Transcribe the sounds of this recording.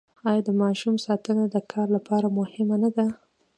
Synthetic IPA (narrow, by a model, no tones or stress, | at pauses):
ɑjɑd̪əmɑʃumsɑt̪ənad̪əkʰɑɾlapɑɾamʊhɪmanad̪a